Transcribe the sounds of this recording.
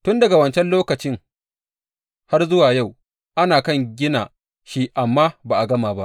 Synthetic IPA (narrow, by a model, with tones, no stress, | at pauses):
tʊ˦ndɐ˨ɡa˨wɐ˨nt͡ʃɛ˦nloː˦kɐ˨t͡ʃɪ˦ŋ | ha˦rzʊ˦waː˨ja˦˨w | ʔa˦naː˨kɐ˦ŋɡʲɪ˦naː˨ | ʃi˦ʔa˨mːaː˦baː˨ʔa˨ɡɐ˦maː˨ba˦ʔ